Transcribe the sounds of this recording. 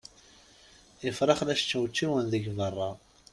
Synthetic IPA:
ɪfɾˤɑχlæʃt͡ʃːəwt͡ʃːiwənðəʝvərˤːɑ

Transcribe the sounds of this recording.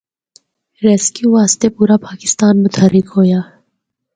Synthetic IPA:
ɾɛːskjuʋaːst̪epuːɾapaːkɪ̥st̪aːnbət̪ʰaːɾɪkɦoːjaː

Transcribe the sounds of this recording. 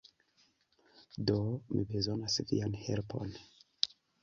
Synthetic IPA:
do̞mʔibe̞zo̞nasvḭanhḛlpʰo̞̰n

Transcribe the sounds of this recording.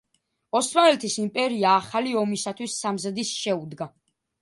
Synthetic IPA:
ɔsmanɛlɛt̪ʰisimpʼɛɾiaːχaliɔmisat̪ʰwisːamzad̪isʃɛud̪ɡa

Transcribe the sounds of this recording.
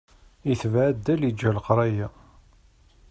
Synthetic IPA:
iθvʕəd̪ːælid͡ʒːælqɾˤæjæ

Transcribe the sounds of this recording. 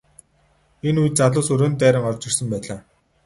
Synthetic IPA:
enuj̆t̪̚t͡saɮʊːsɵɾoːnt̪æːɾə̆ŋɔɮt͡ɕĭr̥sə̆mpæːɮaː

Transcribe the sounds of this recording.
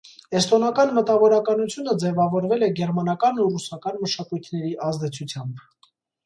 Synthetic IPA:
ɛst̪ɔnɑkɑnmət̪ɑvɔɾɑkɑnut͡sʰjunəd͡zɛvɑvɔɾvɛlɛɡɛɾmɑnɑkɑnurusɑkɑnməʃɑkujt̪ʰnɛɾiʔɑzd̪ɛt͡sʰut͡sʰjɑmb

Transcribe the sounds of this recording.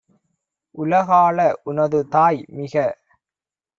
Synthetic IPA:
ʔʊlɐɣaːɭɐʔʊnɐðɯt̪aːjmɪɣɐ

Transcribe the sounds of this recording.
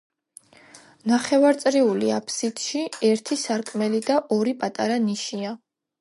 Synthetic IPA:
naχɛvaɾt̪sʼɾiuliapʰsid̪̥ʃiɛɾt̪ʰisaɾkʼmɛlid̪aʔɔɾipʼat̪ʼaɾaniʃia

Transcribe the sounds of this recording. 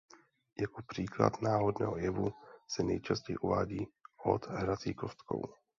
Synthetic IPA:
jakopr̝̥iːkla̰t̪naːɦo̞dnɛ̰ːɦojɛvusɛnɛjt͡ʃascɛjɛʔuvaːɟiːo̰t̪ɦɾat͡siːko̞st̪ko̞̰w

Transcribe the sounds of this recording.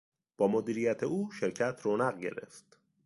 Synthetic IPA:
b̥ɒːmod̪iːɾijæt̪ʰeuːʃe̞ɾcʰæt̪ʰɾoːnæɢɟe̞̰ɾe̞̰ft̪

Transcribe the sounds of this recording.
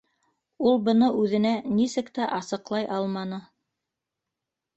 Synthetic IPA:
ulˠbɤ̆nɤʔʉðɘ̆nænisɘ̆kt̪æʔɑsɤ̆qlˠɑjʔɑlˠmɑnɤ

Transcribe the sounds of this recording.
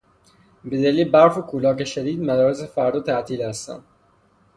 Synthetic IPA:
be̞d̪æliːlbæɾfokʰuːlɒːkeʃæd̪iːd̪mæd̪ɒːɾesefæɾd̪ɒːt̪ʰæt̪ʰiːlhæst̪æ̰nd̪̥

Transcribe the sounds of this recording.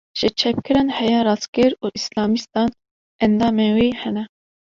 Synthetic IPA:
ʒ̥ɪt͡ʃʰɛp̚kɨɾɨnhɛjɛɾɑzkɛɾuːʔislɑːmist̪ɑːn | ʔɛnd̪ɑːmenwiːhɛnɛ

